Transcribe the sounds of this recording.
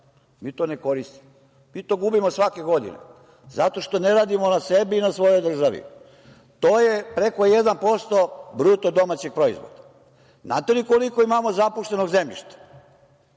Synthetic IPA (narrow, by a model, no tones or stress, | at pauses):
miːt̪o̞ːne̞ko̞ɾist̪i̥mo | miːt̪o̞ːɡubimosʋake̞ɡo̞d̪ḭnḛ | zat̪o̞ʃt̪o̞ne̞ɾaːd̪imo̞nase̞biːnasʋo̞jo̞jd̪r̩ʒaʋḭ | t̪oːjepɾe̞ko̞jed̪anpo̞st̪o̞bɾut̪od̪o̞mat͡ɕeɡ̚pɾo̞ḭzʋo̰d̪̥a | na̰t̪elikolikoimamo̞zapuʃt̪e̞no̞ɡze̞mʎḭʃt̪ḁ